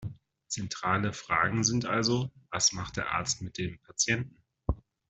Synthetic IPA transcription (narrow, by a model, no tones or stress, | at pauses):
t͡sɛntʁ̥aːləfʁ̥aːɡŋ̩zɪntʔalzovasmaχt̚d̥eːɐʔa̰ɐt͡stmɪt̚d̥eːmpʰat͡sjɛntn̩